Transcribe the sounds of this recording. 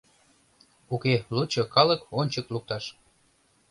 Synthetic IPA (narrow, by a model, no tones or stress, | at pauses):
ukelut͡ɕokɑləkonʲt͡ɕəkluk̚t̪ɑʃ